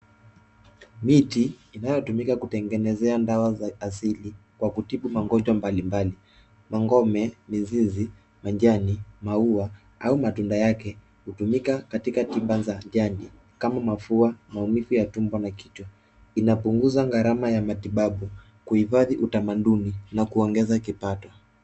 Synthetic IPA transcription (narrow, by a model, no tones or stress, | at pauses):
mitiːnajɔtumikakutɛŋɡɛnɛzɛandawazaːsilikwakutiɓumaŋɡɔɲd͡ʒwambalimbali | maŋɡɔmɛmizizi | maɲd͡ʒanimaua | aumatundajakɛ | hutumikakatikatiɓazaʄandi | kamamafuamaumifujatumbwanaki̥tɔ | inapuŋɡuzaŋɡaɾamajamatiɓaɓu | kuhifaðiʔutamaɗuninakuɔŋɡɛzakipatɔ